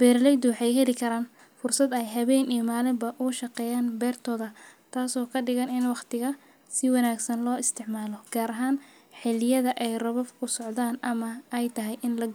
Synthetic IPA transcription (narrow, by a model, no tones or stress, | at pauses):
b̥ɛːɾlɛjd̪uħɛjɦɛlɪkʰɐɾaːn | fʊrsɐd̪ɛɛjɦɐβɛjnijmaːlɪmbɐʔʊʃɐqɛːjaːnbɛːrt̪ʰɔːðɐt̪ʰaːsɔːkʰɐɖɪɣɐnɪnwɑqt̪ʰɪɣɐ | sɪwɑnaːɡsɐnlɔːɪst̪ʰɪʕmaːlɔɡ̥aːɾɐɦaːn | ħɪlɪjɐðɐʔɛjrɐβɐfkʰʊsɔʕd̪aːnɐmɐɛjt̪ʰɐɦɛjʔɪnlɐ